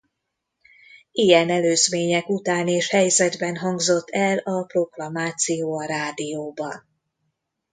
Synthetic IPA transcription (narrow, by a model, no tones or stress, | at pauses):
ijɛnɛløːzmeːɲɛkut̪aːneːʃhɛjzɛd̪bɛnɦɒŋɡzo̞t̪ʰːɛlɒpro̞ɡlɒmaːt̪sijoːɒɾaːd̪ijoːbɒn